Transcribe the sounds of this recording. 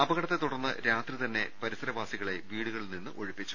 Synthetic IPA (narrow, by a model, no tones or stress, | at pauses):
ɐbɐɣɐɽɐt̪ːe̞t̪uɽɐrnːɨ̰ɾaːt̪rit̪ɐnːe̞pɐɾisɐɾɐbaːsiɣɐɭe̞ʋiːɽuɣɐɭilninːɨʔo̞ɻipːit͡ɕːu̥